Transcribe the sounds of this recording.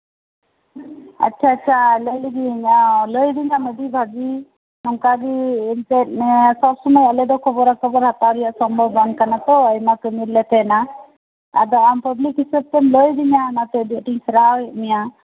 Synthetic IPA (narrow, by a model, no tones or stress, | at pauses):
a̰tːt͡ʃʰaːtːt͡ʃʰaləliɡiɲaləjd̪iɲaməd̪ibʱaɡi | nɔŋkaɾiːnpɛt̪̚ˀmɛsɔb̚sɔməjalɛd̪ɔkʰɔbɔɾakʰɔbɔɾhat̪awɾijaʔsɔmbʱɔankanat̪ɔəjmakəmiɾlɛt̪ɛna | a̰d̪ɔampəblikɦisəb̚t̪ɛnləjd̪iɲanat̪ɛd̪iʈiŋsəɾawɛʔmija